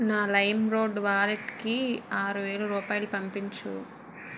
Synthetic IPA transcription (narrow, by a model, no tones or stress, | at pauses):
naːlɐjmɾoːɖʋaːleʈkiaːɾuʋeːlɐɾuːpaːjlupɐmpiɲt͡ʃṵ